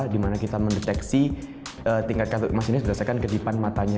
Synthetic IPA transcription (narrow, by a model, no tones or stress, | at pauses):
dimanakit̪aməndɛt̪ɛksi | əːt̪iŋkat̪̚kalomasinɪs̬bəɾasakankədipanmat̪aɲa